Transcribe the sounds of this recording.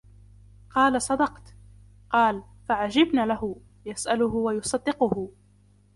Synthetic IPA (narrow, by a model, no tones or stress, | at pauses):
qɑːlasˤɑd̪ɑqt̪ | qɑːl | faʕad͡ʒɪbnaːlahʊ | jasʔalʊhʊwajʊsˤɑd̪ːɪqʊhʊ